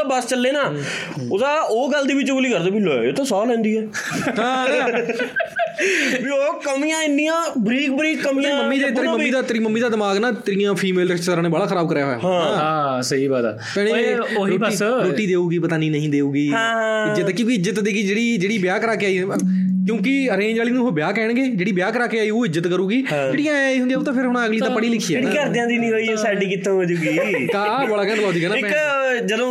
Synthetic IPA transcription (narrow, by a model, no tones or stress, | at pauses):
bəst͡ʃəlːeːnaː | ʊd̪aːoːɡəld̪iːbɪt͡ʃbʊliːkəɾd̪eːbiloːt̪ãːsɔːlɛ̃ːnd̪iːɛːãː | bioːkəmijãːɪnːijãːbɾiːk̚bɾiːkːəmĩãməmːiːd̪aːt̪ːməːiːd̪aːt̪əɾiməmːiːd̪aːd̪ɪmaːɡnãːt̪əɾiːãːpʰiːmeːlɾɪt͡ʃt̪əɾaːneːbəɽaːkʰxʰəɾaːb̚kəɾjaːɦoːjaːɦãːɦãːsəɦiːbaːt̪ɛ̰ː | pɛːɽ̃ẽːɾoːiɾoːʈːiːd̪eːuːɡiːpət̪aːnĩːnəɦĩːd̪eːuːɡiːɦã | ɪd͡ʒət̪ːkõːkiɪzət̪d̪eːɡiːd͡ʒeːɽiːd͡ʒeːɽiːbɪjaːkəɾaːkeaːiː | kjõːkɪəɾẽːnd͡ʒaːliːnũːɦoːbjaːkɛːɳ̃ɡeːd͡ʒeːɽiːbjaːkəɾaːkeːaːiːoːɪzət̪kəɾuːɡiː | eːɽijãːiːɦʊnd̪iaːoːt̪ãːpʰɪɾɦʊɽ̃ãəɡliːt̪ãːpəɽiːlɪkʰːiːeːikəɾd̪jãːd̪iːnĩːoːioːsaːɖiːkit̪ãːɦoːd͡ʒuːɡiː | t̪ãːbəɽaːkɛ̃ːnəlaːd̪iːɛːnaɪ | d͡ʒəd̪õː